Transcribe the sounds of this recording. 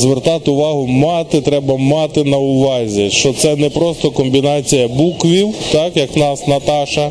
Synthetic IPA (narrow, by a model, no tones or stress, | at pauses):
zʋert̪ɑt̪ɪʊʋɑɦʊmɑt̪ɪt̪ɾɛbɐmɑt̪ɪnɐʊʋɑzʲiʃt͡ʃɔt̪sɛnɛpɾɔst̪ɔkɔmbʲinɑt͡sʲijɐbukʋʲiwt̪ɑkjɐknɑsnɐt̪ɑʃɐ